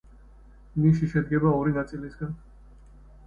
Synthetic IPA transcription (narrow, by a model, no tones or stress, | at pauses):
niʃiʃɛd̪̚ɡɛbaɔɾinat̪sʼilisɡan